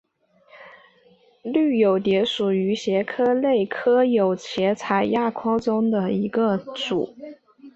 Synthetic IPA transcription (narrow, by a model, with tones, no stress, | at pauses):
ly˥˩jo˨˩ʊt̪jɛ˧˥ʂu˨˩y˧˥ɕjɛ˧˥kʰɤ˥le˥˩ɪkʰɤ˥jo˨˩ʊt͡ɕʰjɛ˧˥t͡sʰa˨˩ɪja˥˩kʰwɑ˥ʊʈ͡ʂʊ˥ŋd̪ə˨i˧˥ɡə˧ʈ͡ʂṵ˨˩˦